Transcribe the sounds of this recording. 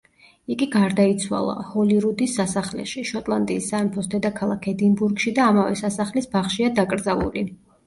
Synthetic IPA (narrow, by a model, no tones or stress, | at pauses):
iɡiɡaɾd̪ait̪sʰwa̰lˠa̰hɔliɾud̪isːasaχlɛ̰ʃiʃɔt̪ʼlˠant̪ʼiːsːaimpʰɔsd̪ɛd̪akʰalˠakʰɛd̪imbuɾɡʃid̪aːmavɛ̰sasaχlisbaχʃiad̪akʼɾd̪zalṵli